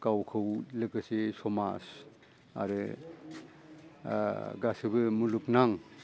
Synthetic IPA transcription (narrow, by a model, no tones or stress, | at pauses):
kawkʰɯwlɯkɯsesɔma̰s | a̰ɾɯ | ɡasɯbɯmuluk̚naŋ